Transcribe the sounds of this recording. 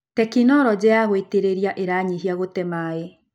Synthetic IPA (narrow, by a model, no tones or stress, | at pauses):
tɛkinɔɾɔd͡ʑeaɣweteɾeɾiaʔeɾaːɲiɦiaɣotɛmae